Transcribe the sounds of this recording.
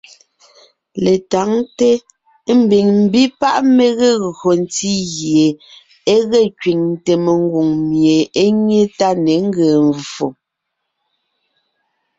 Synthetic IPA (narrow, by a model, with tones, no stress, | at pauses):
le˨ta˨˦ŋte˦ | m̩˨bi˨ŋm̩˨bi˦pa˦ʔme˨ɣe˦˨ɣɰo˨n˨ti˦ɣje˨ | e˦ɣɛ˦t͡ʃɥwi˨ŋ˨te˨me˨ŋ˦ɡu˨ŋmje˨e˦ɲe˦ta˦ne˨˦ŋ̩˦ɡɛ˨ɱvo˨